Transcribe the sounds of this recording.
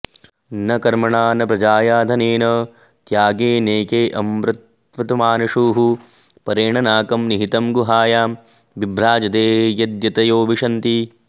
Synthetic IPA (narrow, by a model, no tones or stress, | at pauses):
nɐkɐɾmɐɳaːnɐpɾɐd͡ʒaːjaːd̪ʱɐneːnɐ | t̪jaːɡeːneːkeːʔɐmɾɪt̪ | ʋɐt̪umaːnɐʂuːɦu | pɐɾeːɳɐnaːkɐmniɦit̪ɐmɡuɦaːjaː | ʋibɾaːd͡ʒɐt̪eːjɐd̪jɐt̪ɐjoːʋiʂɐnt̪i